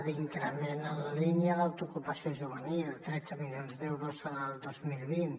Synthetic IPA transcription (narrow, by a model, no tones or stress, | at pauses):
d̪iŋkɾəmenələlinjəðawt̪ukupəsioʒuβ̞ənilt̪ɾɛdd͡zəmilijonzðewɾusənəlˠd̪ozmilˠβin